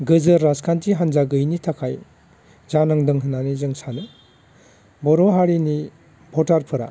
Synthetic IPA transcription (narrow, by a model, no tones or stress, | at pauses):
ɡɯzɯɾːaskʰantiɦanzaɡɯjnitʰakʰaj | zanaŋdɯŋɦɯnanizɯŋsanɯ | bɔɾoɦaɾini | bʱɔtaɾpʰɯɾa̰